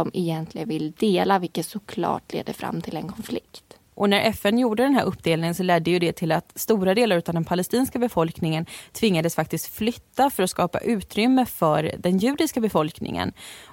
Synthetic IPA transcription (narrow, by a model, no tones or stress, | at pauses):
ɔmɛjɛnt̪ʰlɪɡənvɪld̪eːlavɪlkət̪sʊkʰlɑ̰ːʈlḛːd̪əfɾa̰mːt̪ʰɪlɛnkʰɔnflɪkt̪ | ʔɔnæɾʔɛfɛnjuːɖəd̪ɛnɦæ̰ːɾʔɵpːd̪eːlnɪŋənsɔlɛd̪ːɛjɵd̪ɛt̪ʰɪlat̪st̪uːɾad̪eːlaɾʉ̟ːt̪avd̪ɛnpʰalɛst̪iːnskabɛfɔlknɪŋənt̪ʰvɪŋːad̪əsfak̚t̪ɪst̪flʏt̪ːafœɾɔskɑːpa̰ʔʉ̟ːt̪ɾʏmːəfœɾd̪ɛnjʉ̟ːd̪ɪskabɛfɔlknɪ̰ŋə̰n